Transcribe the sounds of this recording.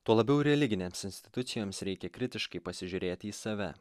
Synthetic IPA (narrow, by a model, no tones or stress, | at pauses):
t̪uɔlˠɐbʲɛʊɾʲɛlʲɪɡʲɪnʲeːmsɪnʲsʲt̪ʲɪ̥t̪ʊt̪sʲɪjoːmsɾʲɛɪkʲɛkɾʲɪt̪ʲɪʃkɐɪpɐsʲɪʒʲʊːɾʲeːt̪ʲiːsɐʋʲɛ